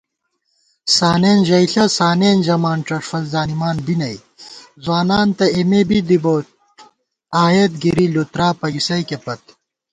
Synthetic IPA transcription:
saːneːnʑɐiɬɐsaːneːnʑɐmaːnʈ͡ʂɐʂfɐlzaːnimaːnbinɐj | zwaːnaːnt̪ɐemebid̪iboːt̪̚ | aːjet̪ɡiɾilut̪ɾaːpɐɡisɐikepɐt̪

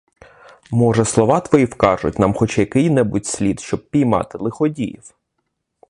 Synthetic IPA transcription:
mɔʒɛslˠɔʋɑt̪ʋɔjiwkɑʒʊ̰tʲnɑmxɔt͡ʃajɐkɪjnɛbutʲsʲlʲid̪ʃt͡ʃɔb̚pʲijmɑ̰t̪ɪlˠɪxɔdʲijḭw

